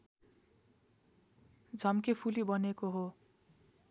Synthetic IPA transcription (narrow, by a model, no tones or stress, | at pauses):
d͡zʱʌmkepʰulibʌnekoɦo